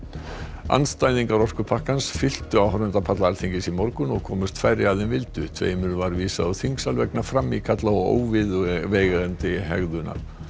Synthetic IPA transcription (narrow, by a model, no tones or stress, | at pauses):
a̰nst̪ajnðiŋkaɾɔskʏpʰahkansfɪl̥t̪ʏawɦɔɾʏnt̪apʰat̪laaɾθʰiɲcɪsimɔɾkʏnɔɣkʰɔːmʏst̪fajrːɪaðɪnvɪlt̪ʏt̪ʰvḛːjmʏɾvaɾviːsaðʏwθiŋksalvɛknafɾamːikʰat̪laɔo̰ːwvɪðveːjɣaðɛnt̪ɪɦɛ̰ɣðʏna̰ɾ̥